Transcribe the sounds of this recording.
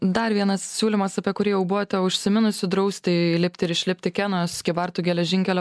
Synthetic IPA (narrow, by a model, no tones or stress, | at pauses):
d̪ɐɾʋʲiɛnɐssʲuːlʲɪmɐsɐpʲiɛkʊɾʲijɛʊbʊʋot̪ʲɛʊʃʲsʲɪmʲɪnʊsʲʊd̪ɾɒʊsʲt̪ʲɪlʲɪpʲt̪ʲɪɾɪʃʲlʲɪpʲt̪ʲɪkʲɛnoːsʲkʲɪbɐɾt̪uːɡʲɛlʲɛʒʲɪŋʲkʲɛlʲɛ